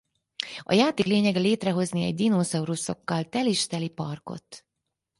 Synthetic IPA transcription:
ɒ̰jaːt̪eːkleːɲɛɡɛleːt̪rɛɦo̞zniɛ̰ɟd̪inozɒuɾuso̞̰kːɒlt̪ɛliʃt̪ɛlipɒrko̞̰t̪

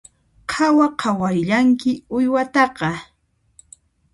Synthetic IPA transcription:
qʰɑwaqʰɑwajʎaŋkɪʊjwat̪ɑqɑ

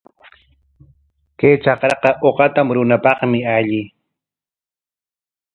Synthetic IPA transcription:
kejt͡ʃɑqɾɑqɑʔoqɑt̪amɾʊnapɑχmɪaʎɪ

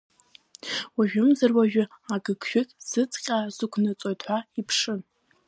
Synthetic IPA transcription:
waʒᶣʊmzarwaʒᶣʊ | aɡɨɡʰʃᶣʊtʼz̥ɨt͡sʰʼqʲʼazɨkʷʰnɨt͡sʼojtʰħʷaipʰʂɨn

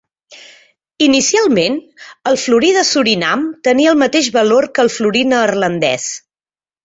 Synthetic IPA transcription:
inisialˠmenəlˠfluɾiðəsuɾinamt̪əniəlˠmət̪eʒβəlorkəlˠfluɾinəːrlənd̪ɛ̰s

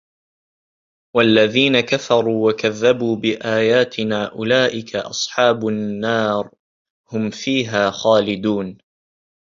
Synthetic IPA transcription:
walːaðiːnakafɑɾˤuːwakaðːabuːbɪʔaːjaːt̪ɪnaːʔʊlaːʔɪkʰaʔɑ̰sˤħɑːbʊnːɑːɾ | hʊmfiːɦaːxaːlɪd̪uːn

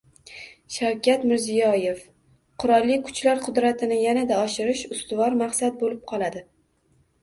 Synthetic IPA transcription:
ʃawkʲʰat̪mɪɾzijɒje̞f | qʰʊɾɒlˠːɪkʰʊ̥t͡ʃlaɾqʰʊd̪ɾat̪ʰɪnɪjanad̪aɒʃɪɾɪʃʊst̪ʊvɒɾmaχsad̪̚bolɪp̚qʰɒlˠad̪ɪ

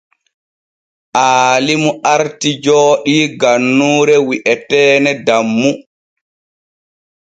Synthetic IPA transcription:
ʔaːlimuʔaɾtid͡ʒɔːɗiɡanːuːɾɛwiʔɛtɛːnɛdamːu

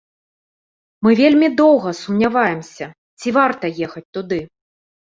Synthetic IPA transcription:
mɨvʲelʲmʲid̪ɔwɣɐsumnʲavajɛmsʲɐ | t͡sʲivart̪ɐjɛxɐt͡sʲt̪ud̪ɨ

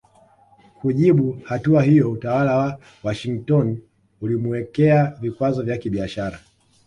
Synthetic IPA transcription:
kuʄiɓuhatuaɦijɔutawalawa | waʃiŋtɔn | ulimuɛkɛavikwazɔvjakiɓiaʃaɾa

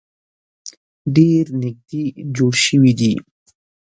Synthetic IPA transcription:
ɖeːɾnik̚d̪id͡ʑuɽɕiwid̪ḭ

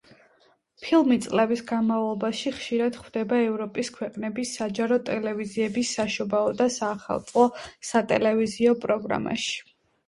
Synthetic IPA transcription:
pʰilˠmit̪sʼlɛbisɡanmavlˠɔbaʃiχʃiɾad̪̥χwd̪ɛbaɛvɾɔpʼiskʰwɛqʼnɛbisad͡ʒaɾɔt̪ʼɛlɛviziɛbisaʃɔbaɔd̪asaːχa̰lˠt̪sʼɔsat̪ʼɛ̰lɛviziɔpʼɾɔɡɾa̰ma̰ʃi̥

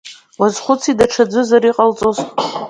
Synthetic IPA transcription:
wazχʷʊt͡sʰidaʈ͡ʂʰad͡zʷɨzaɾiqʼalt͡sʼozʼ

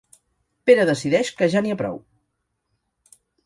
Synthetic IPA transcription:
peɾəðəsiðɛʃkəʒaniəpɾɔ̰w

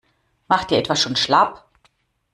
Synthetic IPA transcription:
maχtd̥iːɐɛtv̥asʃoːnʃlap

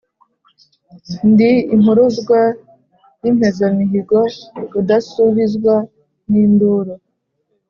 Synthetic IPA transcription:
ndiːmuɾuzɡwa | jim̥hezamiɦiɡokudasuβizɡwa | niːnduɾo

